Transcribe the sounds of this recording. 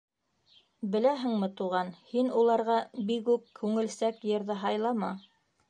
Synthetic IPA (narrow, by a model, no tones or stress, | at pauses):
bɘ̆læɦɘ̆ŋmɘ̆t̪uʁɑnhinulˠɑɾʁɑbikʉp̚kʰʉŋɘ̆lsækjɤ̆ɾðɤɦɑjlˠɑmɑ